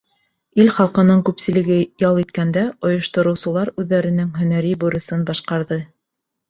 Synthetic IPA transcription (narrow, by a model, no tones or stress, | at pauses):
ilχɑlˠqɤ̆nɤɴkʉpsɘ̆lɘ̆ɡɘjɑlˠit̪kænd̪æŏjŏʃt̪ŏɾɤ̆wsɤ̆lˠɑɾʉðːæɾɘ̆nɘŋɦɵ̆næɾibuɾɤ̆sɤnbɑʃqɑɾðɤ